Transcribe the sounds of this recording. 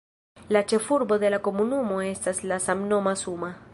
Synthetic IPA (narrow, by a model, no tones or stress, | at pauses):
lat͡ʃefuɾboðelakomunumoestaslasamnomasuma